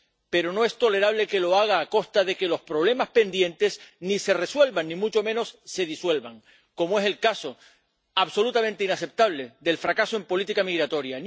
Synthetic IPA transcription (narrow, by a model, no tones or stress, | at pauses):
pe̞ɾo̞no̞e̞st̪o̞le̞ɾaβ̞le̞ke̞lo̞aɣ̞aːko̞st̪aðe̞ke̞lo̞spɾo̞β̞le̞maspe̞nd̪jẽ̞nt̪e̞snise̞re̞swe̞lβaŋːĩmut͡ʃo̞mẽ̞no̞sːe̞ð̞iswe̞lβaŋ | ko̞moe̞selkaso̞ | aβso̞lut̪amẽnt̪einase̞p̚t̪aβ̞le̞ðe̞lfɾakasoe̞mpo̞lit̪ikamiɣɾat̪o̞ɾjan